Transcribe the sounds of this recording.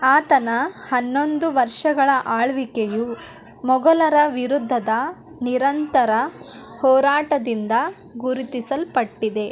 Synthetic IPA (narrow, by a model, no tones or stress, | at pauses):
aːt̪ɐnɐhɐnːo̞nd̪uʋɐɾʂɐɡɐɭɐʔaːɭʋikeju | mɔɡɐlɐɾɐʋiɾud̪ʱːɐd̪ɐ | niɾɐnt̪ɐɾɐ | hɔːɾaːʈɐd̪ind̪ɐ | ɡuɾit̪isɐlpɐʈːid̪e̞